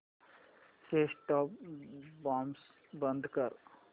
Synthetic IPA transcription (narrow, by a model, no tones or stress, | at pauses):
feːsʈɔːpbãːms | bə̃nd̪ʱkəɾ